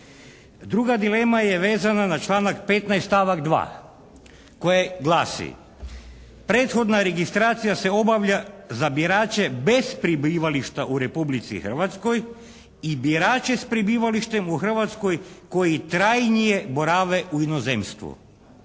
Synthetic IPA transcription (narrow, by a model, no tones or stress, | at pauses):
d̪ɾuɡad̪ile̞majeʋeːzananat͡ʃlˠaːnakpet̪najst̪aʋaɡd̪ʋa̰ː | ko̞jeɡlˠaːsḭ | pɾeːt̪xo̞d̪naɾeɡist̪ɾaːt̪sijase̞o̞baʋʎazabiɾaːt͡ʃebespɾibiʋaliʃt̪aʔuɾepublit̪sḭxər̩ʋat̪sko̞j | ibiɾaːt͡ʃespɾibiːʋaliʃt̪e̞muxr̩ʋat̪sko̞jko̞jit̪ɾajnijeboɾaːʋeʔuinozemst̪ʋṵ